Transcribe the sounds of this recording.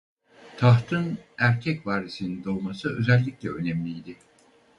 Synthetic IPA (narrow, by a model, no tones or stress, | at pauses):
t̪ʰaɦt̪ʰɯnæɾcʰɛcvaːɾisinind̪o̞lˠmasɯø̞zɛlʲːiclʲɛø̞nɛmlʲijd̪ɪ